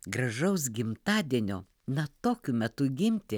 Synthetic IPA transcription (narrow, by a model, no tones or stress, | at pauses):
ɡɾɐʒɐʊs̬ɡʲɪmt̪ɑːd̪ʲiɛnʲoː | nɐt̪oːkʲʊmʲɛt̪ʊɡʲɪmʲt̪ʲɪ